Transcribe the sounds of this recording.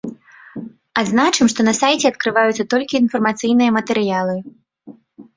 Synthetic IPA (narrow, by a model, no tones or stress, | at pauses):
aznat͡ʂɨmʂt̪ɔnɐsajt͡sʲɛɐt̪̚kɾɨvajut̪sːɐt̪ɔlʲkʲiːnfɐrmat̪sɨjnɨjɐmɐt̪ɛɾɨjalˠɨ